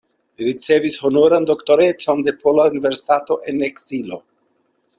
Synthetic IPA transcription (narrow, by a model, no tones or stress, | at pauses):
liɾit͡se̞vishonoɾand̪o̞kto̞ɾe̞t͡so̞nde̞pʰolaunive̞ɾsi̥tato̞ʔe̞neksilo̞